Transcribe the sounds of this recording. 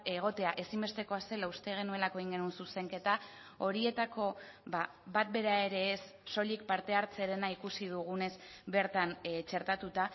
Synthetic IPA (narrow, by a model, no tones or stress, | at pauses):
e̞ɣ̞o̞t̪e̞aʔe̞simbe̞st̪e̞ko̞ase̞laust̪e̞ɣ̞e̞nue̞lako̞eiŋɡe̞nunsuse̞ŋke̞t̪a | o̞ɾie̞t̪ako̞βa | bat̪be̞ɾae̞ɾe̞ːsːo̞lik̚paɾt̪e̞aɾt͡se̞ɾe̞naikusið̞uɣ̞une̞zbe̞ɾt̪ant͡ʃe̞ɾt̪at̪ut̪a